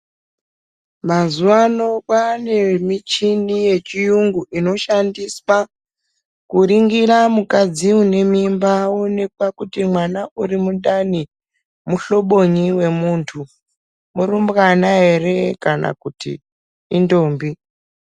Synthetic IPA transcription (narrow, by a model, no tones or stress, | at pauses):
mazuwano̞kwane̞mit͡ʃinije̞t͡ʃijuŋɡuʔino̞ʃandiswa | kuɾiŋɡiɾamukad͡ziune̞mimbawone̞k̚wakutimwanaʔuɾimuɗani | muɬo̞ɓo̞ɲiwe̞muːntʰu | murumbɣanaɦe̞re̞kana̰kutḭː | ndo̞ːmbi